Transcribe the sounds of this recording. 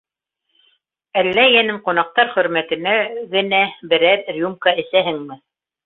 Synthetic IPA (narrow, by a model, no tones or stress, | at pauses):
ælːæjænɘmqŏnɑq̚t̪ɑɾχɵ̆ɾmæt̪ɘ̆næɡɘ̆næbɘ̆ɾæɾrʲjumkɑʔɘ̆sæɦɘŋmɘ